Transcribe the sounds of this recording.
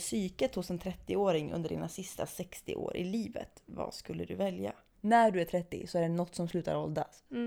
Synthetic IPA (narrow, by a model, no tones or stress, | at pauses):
syːkət̪hʊsɛnt̪ʰɾɛt̪ːɪoːɾɪŋɵ̰nd̪əɖiːnasɪst̪asɛkst̪ɪ̰ʔo̰ːɾʔɪliːvə̰t̪vaskɵlːəd̪ɵvɛlja | næɖɵæʈʰɾɛt̪ːɪ̰sɔæɖɛnɔt̪ːsɔmslʉ̟ːt̪a̰ɾɔld̪a̰s